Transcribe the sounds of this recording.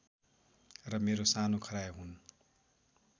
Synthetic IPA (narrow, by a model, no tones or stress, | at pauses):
rʌmeɾosanokʰʌɾajɦun